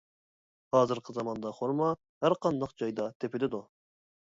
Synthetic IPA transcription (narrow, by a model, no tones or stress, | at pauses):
hɑːzɨɾqʰəzɑmɑnd̪ɑχoɾmɑ | hæɾqʰɑnd̪ɑqd͡ʒɑjd̪ɑt̪ʰepɪd̪ɪd̪u